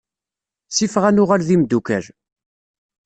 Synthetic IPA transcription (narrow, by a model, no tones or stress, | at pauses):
sifʁænʊʁalðimd̪ukæɾ